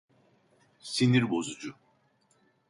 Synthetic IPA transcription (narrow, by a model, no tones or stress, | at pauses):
siniɾbo̞zud͡ʒu